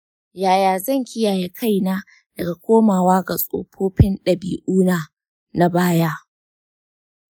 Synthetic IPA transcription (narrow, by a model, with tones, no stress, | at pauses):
jaː˨jaː˨zɐ˦˨ŋkʲɪ˦jaː˨je˦kʰa˦˨jna˦ | d̥ɐ˨ɡa˨kʷoː˦maː˨waː˦ɡa˨sʼo̰ː˨pʰoː˦ɸɪ˦nɗɐ˨biː˨ʔuː˦naː˨ | na˦baː˦ja˦ʔ